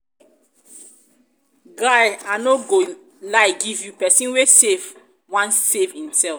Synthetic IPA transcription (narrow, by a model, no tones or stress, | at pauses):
ɡaɪanoɡo | laɪɡivjupɛsĩnwesev | wãnssevhĩmsɛlf